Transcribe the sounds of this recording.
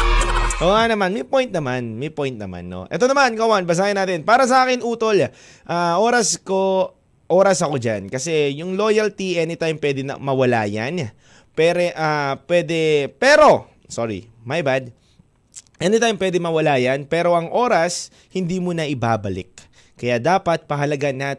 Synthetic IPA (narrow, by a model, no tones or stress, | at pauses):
oːanɐmanmɐjpojnt̪̚nɐmanmɐjpojnt̪̚nɐma̰nːo̰ʔɛ̰t̪o̞nɐmankɐwanbɐs̬aːjɐnaːt̪ɪnpaːɾɐs̬ɐʔaːkɪnuːt̪o̞la | ʔaʔo̞ːɾɐsko̞ | ʔo̞ːɾɐsɐko̞d͡ʒankɐsɛjʊŋlo̞ːjɐlt̪iʔɛnɪt̪ajmpwɛd̪ɪnɐ̰mɐwɐla̰ːja̰n | pɛɾɛʔapwɛːd̪ɛpɛːɾo̞ | soːɹḭ | mɐjbad̪̚ | ʔɛnɪt̪ajmpwɛd̪ɛmɐwɐlaːjɐnpɛːɾo̞ʔɐŋʔo̞ːɾɐs | hɪnd̪iːmunɐʔɪbaːbɐlɪ̰k̚ː | ɐjaːd̪aːpɐt̪̚pɐɦɐlɐɡanːa